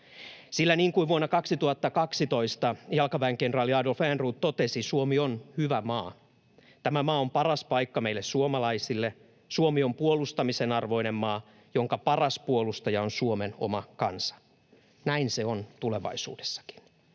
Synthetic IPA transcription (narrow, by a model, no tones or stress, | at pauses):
silːæniːŋkuiʋʋuonːɑkɑksit̪uhɑt̪ːɑkɑksit̪o̞ist̪ɑjɑlkɑʋæeŋkenrɑːljiɑːdolfæːnruːt̪t̪ot̪esisuomionhyʋæmɑː | t̪æmæmɑːompɑrɑspɑikːɑmeilːessuomɑlɑisilːe | suomio̞mpuolust̪ɑmisenɑrʋo̞inemmɑː | jo̞ŋkɑpɑrɑspuolust̪ɑjɑonsuomeno̰mɑkɑ̰nsɑ̥ | næinseont̪ule̞ʋɑ̰isṵːdesːɑ̥ki̥n